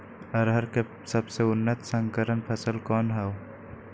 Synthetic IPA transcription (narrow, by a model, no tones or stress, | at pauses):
ɐɾɦɐɾke | sɐbseʊnːət̪sə̃ŋkəɾənpʰəsəlkɔːnɦɛw